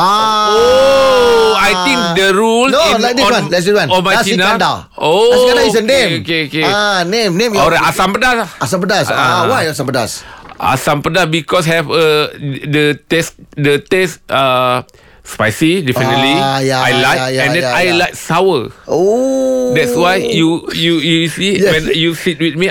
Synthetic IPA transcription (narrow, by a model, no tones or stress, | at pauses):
ao | ajt̪ĩŋk̚dəɹulnõnlajk̚diswãnlɛs̬diswãnɔnmajsiinaãda | okadaisənẽokeokenẽmnẽmɔlɾajasãmpədalasãmpədasaawajasãmpədasʔa̰sãmpədabikɔs̬ɦɛvədətɛsdətɛsta | spajsidɛfinətlijaajlajkajɛ̃dɛ̃ajlajk̚sawəodɛtswajjujujusijɛwɛ̃njusit̚wit̚mi